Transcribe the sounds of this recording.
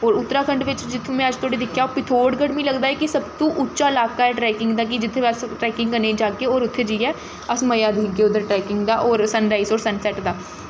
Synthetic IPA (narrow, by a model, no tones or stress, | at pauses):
oːɾʊt̪ːɾaːkʰəɳɖʋɪt͡ʃd͡ʒɪt̪ʰːõːmɛ̃ːəd͡ʒt̪ʰʊaːɽeːd̪ɪkʰːjaːoːpɪt̪ʰoːʈɡəɽmĩːləɡd̪aːɛːkɪsəbt̪ũːʔʊːʃaːɪlaːkaːɛːʈɾɛːkɪŋɡd̪aːk̬ɪd͡ʒɪt̪ʰːẽːəsʈɾɛːkɪ̃ŋɡkənːeːd͡ʒaːkeːoːɾʊt̪ʰːeːd͡ʒiːɛː | əsməjaːd̪ʱiːɡeːʊd̪əɾʈɾɛːkɪŋɡd̪aːʔoːɾsənɾaːiːsoːɾsənsɛːʈd̪aː